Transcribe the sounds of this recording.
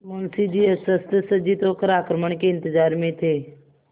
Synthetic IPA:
mənsid͡ʒiːəsəst̪əsəd͡ʒit̪oːkəɾaːkɾəməɳ̃keɪ̃nt̪ɪzaːɾmẽt̪ʰeː

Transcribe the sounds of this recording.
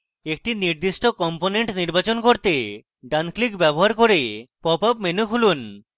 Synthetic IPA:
ek̚ʈiniɾd̪iʃʈokɔmponeɳʈniɾbat͡ɕonkoɾt̪e | ɖanklikbɛboɦaɾkoɾepɔpapmenukʰulun

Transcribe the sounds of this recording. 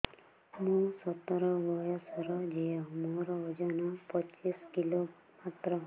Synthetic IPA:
mũsɔt̪ɔɾɔbɔjɔsɔɾɔd͡ʒejɔmoɾɔɔd͡ʒɔnɔpɔt͡ʃiskilo | mat̪ɾɔ

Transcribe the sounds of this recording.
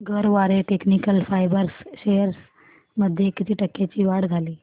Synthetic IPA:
ɡʱəɾʋaɾeʈeknikəlfajbəɾsɕejəɾs | məd̪ʱjekit̪ʰiːʈəkːet͡ɕiːʋaɽd͡zʱaliː

